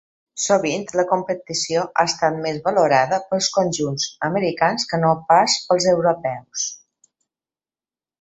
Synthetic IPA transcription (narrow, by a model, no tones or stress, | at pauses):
soβ̞int̪ləkumpət̪isioʔa̰əst̪at̪̚mezβəluɾaðəpəlˠskunʲʒunzəməɾikanskənopaspəlˠzəwɾupɛws